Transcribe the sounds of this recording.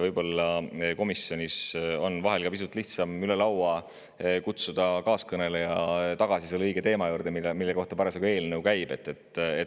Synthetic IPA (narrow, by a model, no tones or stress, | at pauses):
vɤjb̥o̞lːɑko̞misjo̞nʲiso̞nːvɑɦelkɑpis̬ut̪ːˑliht̪sɑmyle̞lɑwɑ | kut̪sud̪̥ɑkɑːskɤne̞lejɑt̪ɑɡ̥ɑsiselːɤjɡ̥e̞t̪e̞ːmɑjuːɾd̪̥emimilːeko̞ht̪ɑpæɾɑsekoe̞ːlnəwkæjb̥e̞t̪ːˑet̪ːˑe